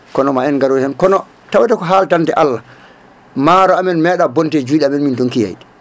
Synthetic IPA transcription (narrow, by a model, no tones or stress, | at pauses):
kɔnɔmaɛnɡaɾohɛnkɔnɔ | tawatɛkɔɦaltantɛʔalːa | maːɾɔamɛnmɛːɗabɔntɛd͡ʒuːɗɛamɛnmintɔnkija̰j